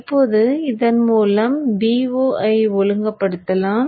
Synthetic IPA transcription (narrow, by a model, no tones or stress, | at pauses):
pːoːðɯɪðɐnmuːlɐmbiːoːʔɐɪʋɔɻɯŋɡɐpːɐɽɯt̪ːɐlaːm